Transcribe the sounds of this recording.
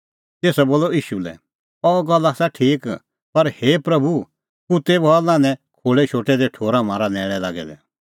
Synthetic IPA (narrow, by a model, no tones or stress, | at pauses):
t̪eːsaboːlɔiːʃulɛ̰ | ɔɡɐlːasɛʈʰiːk | pɐɾheːpɾɐbʱu | kut̪ebalãːnɛ̃kʰoːɭɛt͡ʃʰoːʈɛd̪eʈʰoːɾamãːɾanɛːɭ̃ɛla̰ːɡɛ̰d̪ɛ̰